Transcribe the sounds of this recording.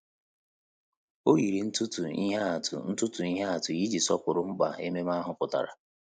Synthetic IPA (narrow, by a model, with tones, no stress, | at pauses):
o˦ɣi˨ɾi˨n̩˦tʊ˦tu˨ḭ˦ɦa˦a˨tʊ̰˨n̩˦tʊ˦tʊ˨i˦ɦa˦a˨tʊ˨ji˦d͡ʒi˨sɔ˦pʊ˨ɾʊ˨ŋ͡m̩˦k͡pa̰˨e˦me˦ma˦ɦʊ˨pʊ˨ta̰˨ɾa̰˨